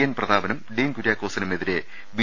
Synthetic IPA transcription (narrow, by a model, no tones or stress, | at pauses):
ɐːnprɐd̪aːbɐnɐmɖiːnkuɾjaːkːoːsɐnɐme̞ðiɾe̞ | ʋi